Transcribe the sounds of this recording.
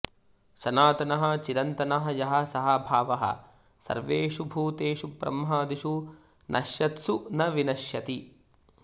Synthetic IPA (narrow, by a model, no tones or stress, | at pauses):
ʃɐnaːt̪ɐnɐɦɐ̆t͡ʃiɾɐnt̪ɐnɐɦɐjɐɦɐ̆sɐɦɐbʱaːʋɐɦɐ̰ | sɐ̰ɾʋeːʂubʱuːt̪eːʃupɾɐ̰mɦaːd̪iʃu | nʔɐ̰ʃjɐt̪sunɐʋinɐʃjɐt̪i